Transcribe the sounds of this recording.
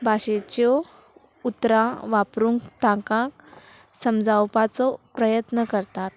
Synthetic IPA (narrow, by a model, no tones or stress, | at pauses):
bʱaɕet͡ɕɔ | ut̪ɾaʋapɾuːŋɡt̪ãkãk | səmd͡zawpat͡sɔpɾəjət̪nəkəɾt̪at̪